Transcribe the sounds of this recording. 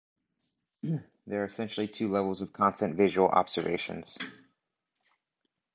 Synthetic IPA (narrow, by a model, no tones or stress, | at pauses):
ðə˞ːɨsɛ̃nʃl̩ˠitʰʉlɛvl̩ˠzʌv̥kʰɑ̃nstɨ̃ntvɪʒəwl̩ˠʔɑ̰b̥z̥ə˞veɪʃɨ̰̃nz̥